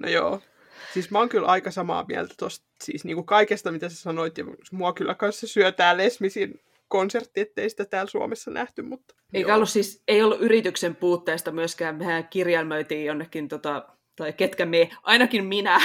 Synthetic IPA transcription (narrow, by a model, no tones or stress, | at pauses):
no̰jo̰ː | sismæoŋkylʔɑikɑsɑmɑ̰ːmiæ̰lt̪æ̥t̪ost̪sḭːsniːŋkukɑikest̪ɑmit̪æsesɑnoit̪jɑmuɑkylːækɑnssesyøt̪æːlesmisin | konsert̪ːiet̪ːeisi̥t̪æt̪æːlsuɑ̰mesːɑnʔæht̪ymmut̪ː | eikæolːussiːseiolːuʔyrit̪yksempuːt̪ːeːst̪ɑmyøskæːmehæːkirjɑlmøyt̪iːjonːekːint̪ot̪ɑ | t̪ɑiket̪kæmeʔɑinɑkimminæ